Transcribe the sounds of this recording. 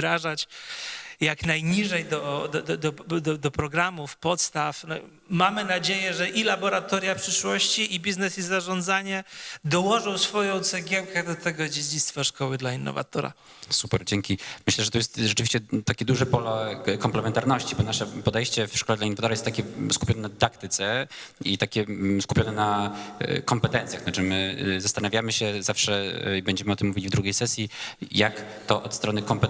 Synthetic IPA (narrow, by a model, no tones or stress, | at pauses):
ɾaʐat͡ɕ | jaknajɲiʐɛjd̪ɔd̪d̪ɔd̪ɔd̪ɔd̪ɔpɾɔɡɾamufpɔt̪st̪afnɔ̰ | mamɘnad͡ʑejɛʐɛʔilabɔɾat̪ɔɾʲjapʂɘʂwɔɕt͡ɕiʔibʲiznɛsizaʐɔnd̪zaɲɛd̪ɔwɔʐɔ̃w̃sfɔjɔ̃w̃t̪sɛɡʲjɛwkɛd̪ɔt̪ɛɡɔd͡ʑed͡ʑit̪st̪faʂkɔwɘd̪lainːɔ̰va̰t̪ɔɾa̰ | supɛɾd͡ʑeŋkʲimɘɕlɛʐɛt̪ɔjɛst̪ʐɛt͡ʂɨvʲiɕt͡ɕɛt̪akʲɛd̪uʐɛpɔlɔkɔmplɛmɛnt̪aɾnɔɕt͡ɕibɔnaʂɛpɔd̪ɛjɕt͡ɕɛfʂkɔlɛd̪lainːɔvat̪ɔɾajɛst̪ːakʲɛskupʲɔnɛnad̪d̪ak̚t̪ɘt̪sɛit̪akʲɛskupʲjɔnɛna̰ | kɔmpɛt̪ɛnt̪sʲjaxnat͡ʂɘmɘzast̪anavʲjamɘɕɛzafʂɛibɛɲd͡ʑɛmɘɨɔt̪ɘmːuvʲilivd̪ɾuɡʲejsɛsʲjijak | t̪ɔʔɔt̪st̪ɾɔnɘkɔmpɛ